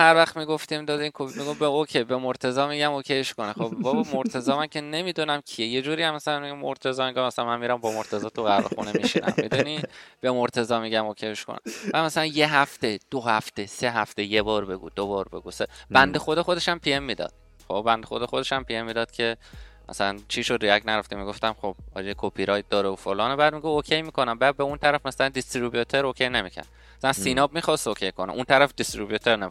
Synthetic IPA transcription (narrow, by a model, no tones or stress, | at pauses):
hæɾvæxt̪miːɡoft̪imd̪ɒːd̪inkʰomiɡobeocʰebemoɾt̪ʰe̞zɒːmiɟæmokʰeʃkonexobbɒbmoɾt̪ʰe̞zɒːmæncʰe̞ne̞miːd̪unæmcʰie̞je̞d͡ʒuːɾijæmːæsælænmiɟæmmo̰ɾt̪ʰe̞zɒːmiŋɡomæsælænmænmiɾæmbɒmoɾt̪ʰezɒːt̪ʰuɣæɾḛxunemiʃḭnæ̰mːid̪unib̥e̞moɾt̪ʰe̞zɒːmiɡɟæmokʰeeʃko̰nḛ̥æd̪mæsælænje̞ɦæft̪e̞d̪̥ohæft̪e̞se̞ɦæft̪e̞jebɒːɾbe̞ɡṵːd̪obɒːɾbe̞̰ɡuːseb̥ænd̪exod̪exo̞d̪e̞ʃæmpʰiemːiːd̪ɒ̰ːd̪̥̚ | χobbænd̪exod̪exo̞d̪e̞ʃæmpiemːiːd̪ɒːd̪̥cʰe̞mæ̰sælænt͡ʃʰiʃod̪ɾiæcnæɾæft̪imiɡo̞ft̪æmχob̥̚ɒ̰ːd͡ʒekʰopʰiɾɒːjt̪̚d̪ɒːɾeofolɒːnebæːd̪̚miɡuokʰejmiːkʰo̞næmbæd̪̚beunt̪ʰæɾæfmæsælænd̪ist̪ɾubjut̪ʰeɾokʰe̞jne̞micʰæ̰ɾd̪ | æsænsinɒːbmixɒst̪okʲʰejkʰonḛʔunt̪ʰæɾæfd̪ist̪ɾibjut̪ʰeɾnemi